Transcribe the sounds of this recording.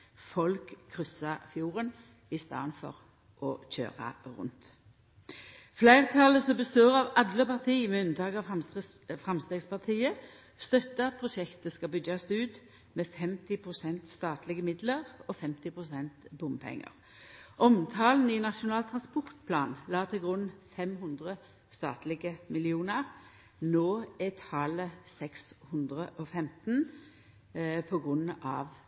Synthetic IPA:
fɔlkʰːʁʏsɑfjuːʁən | ɪst̪ɑ̰ːnfɔ̰ʁ | ʔɔçø̰ːʁɑ̰ʁʉ̰nt̪ | flæɪʁt̪ʰɑləsɔmbəst̪øːʁɑʋɑd̪ləpɑʁt̪ʰiːmɛʉnd̪ɑːɡɑ | fʁɑmst̪eːɡspɑʁt̪ʰiːə | st̪œt̪ːəɑt̪̚pʰʁʊʃɛkt̪əskɑbʏɡɑsʉːd̪ | mɛfɛmt̪ɪpʰʁʊsɛnt̪st̪ɑːt̪lɪɡəmɪd̪ləʁɔfɛmt̪ɪpʰʁʊsɛnt̪bʊmpʰɛ̰ŋːə̰ʁ | ʔɔmt̪ʰɑːln̩ɪnɑʃʊnɑːlt̪ʰʁɑnspɔʁt̪̚pʰlɑ̰ːnlɑːt̪ʰɪlɡʁʉnːfɛmɦʉnd̪ʁə | st̪ɑ̰ːt̪lɪɡəmɪlɪuːnəʁ | noːɛt̪hɑːləsɛkshʉnd̪ʁəʔɔfɛmt̪n̩ | pʰɔɡʁʉnːɑ̰ʋ

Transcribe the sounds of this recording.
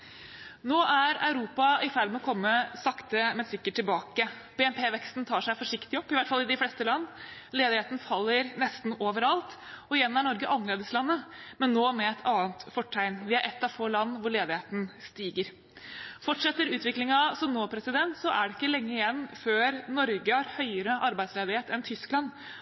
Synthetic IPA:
noːʔæɾɑ̰ʉɾuːpɑɪfæɾmɛɔkʰɔmːəsɑkt̪əmɛsɪkːəʈʰːɪlbɑːkəb̥ɛɛmpʰeːʋɛkst̪n̩t̪ʰɑːʂæɪfɔʂɪkt̪ɪɔpːɪʋæɪt̪fɑlːɪd̪ɪflɛst̪əlɑnːleːd̪ɪheːt̪n̩fɑlːəɾnɛst̪n̩oːʋəɾɑlt̪ɔɪjɛnːæɳɔɾɡəʔɑnːəleːd̪əslɑnːəmɛnːoːmɛɛt̪ʰɑːnt̪fɔʈʰːæɪnʋɪæɾʔɛt̪ːɑʋfoːlɑnːʋʊɭeːd̪ɪheːt̪n̩st̪iːɡəɾ | fɔʈʂɛt̪ːəɾʉːt̪ʋɪklɪŋɑsɔmnoːpʰɾɛsɪd̪ɛnt̪sɔʔæɖɛɪkːəlɛŋːəɪjɛnːføːɾnɔɾɡəhɑɾhœʏəɾəʔɑɾbæɪsleːd̪ɪheːt̪ɛnt̪ʰʏsklɑn

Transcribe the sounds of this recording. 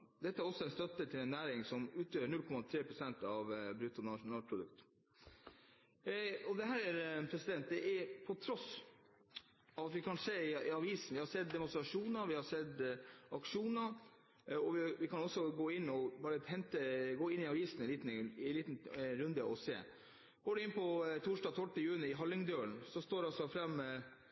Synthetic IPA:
d̪ɛt̪ːəæɾɔsːɔɛnst̪œt̪ːət̪ʰɪlɛnːæːɾɪŋsɔmʉːt̪øːəɳʉlkʰɔmɑt̪ʰɾeːpʰɾʊsɛnt̪ɑʋbɾʉt̪ːʊnɑʂʊnɑːlpʰɾʊd̪ʉ̰kt̪ | ɔd̪ɛɦæːɾæɾpʰɾɛsɪd̪ɛnt̪̚d̪ɛʔɛɾpʰɔt̪ʰɾɔs | ɑɑt̪ʋɪkʰɑnseːɪɑʋiːsn̩ʋɪhɑsɛt̪̚d̪ɛmʊnst̪ɾɑʂuːnəɾʋɪhɑʂɛd̪ɑkʂuːnəɾ | ɔʋɪʋɪkʰɑnɔsːɔɡoːɪnːɔbɑːɾət̪ʰɛnt̪əɡoːɪnɪɑʋiːsn̩ɛnliːt̪n̩ɛliːt̪nɾʉnd̪əʔɔsḛː | ɡ̥oːɖʉɪnpʰɔt̪ʰuːʂdɑːt̪ʰɔʈːəjʉːnɪɪɦɑlːɪŋd̪øːəɳsɔst̪oːɾɑlsɔfɾɑmː

